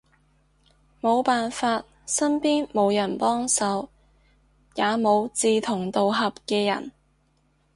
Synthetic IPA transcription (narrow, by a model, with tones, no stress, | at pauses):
mo˨˧wpaː˨nfaː˧t̚ | sɐ˥npiː˥nmo˨˧wjɐ˨˩npɔː˥ŋsɐ˨˧w | jaː˨˧mo˨˧wt͡siː˨˧t̪ʰʊ˨˩ŋt̪o˨wɦɐ˨p̚kɛː˧jɐ̰˨˩n